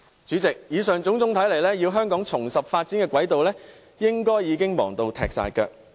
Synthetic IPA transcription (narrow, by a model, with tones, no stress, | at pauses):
t͡syː˨˥t͡sɪ˨k̚jiː˨˧sœː˨ŋt͡sʊ˨˥ŋt͡sʊ˥ŋt̪ʰɐ˨˥jle˨˩jlɛː˥ji˧wɦœː˥ŋkɔː˨˥ŋt͡sʰʊ˨˩ŋsɐ˨p̚faː˧t̚t͡siː˨˥nkɛː˧kwɐ˨˥jt̪o˨wlɛː˥ | jɪ˥ŋkɔː˥jːiː˨˧kɪ˥ŋmɔ̰ː˨˩ŋt̪o˧wt̪ʰɛ̰ː˨k̚sa̰ː˨jkœ̰ː˧k̚